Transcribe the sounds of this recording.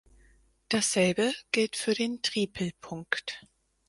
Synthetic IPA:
d̥asz̥ɛlbəɡ̥ɪltfyːɐdeːntʁ̥iːpʰl̩pʰʊŋkt

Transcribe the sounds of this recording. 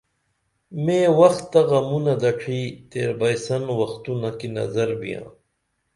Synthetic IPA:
mẽːwɐxt̪ːɐɣɐmunɐd̪ɐʈ͡ʂʰiːt̪eːɾbɐjsɐnwɐxt̪unɐkinɐ̰zɐɾbḭjã̰ː

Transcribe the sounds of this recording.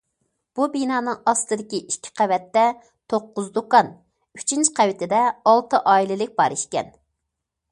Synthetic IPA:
b̥ubinɑːnɨŋɑst̪ɨd̪ɪkʲiʔikʲʰːɪ̥qʰɛvɛt̪ːɛ | t̪ʰoqːʊzd̪okɑn | y̥t͡ʃʰint͡ʃqʰɛwɪt̪ʰɪd̪ɛɑlˠt̪ɨʔɑːilɪlɪk̚ʲbɑɾiʃkʲɛ̰n

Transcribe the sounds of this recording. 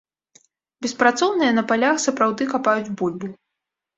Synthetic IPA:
bʲɛspɾat̪sɔwnɨjɐnɐpalʲaxsɐpɾawd̪ɨkapajud͡zʲbulʲbu

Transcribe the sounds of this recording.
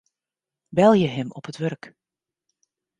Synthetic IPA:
bɛlˠjəɦɪmɔpɦətʋœrk

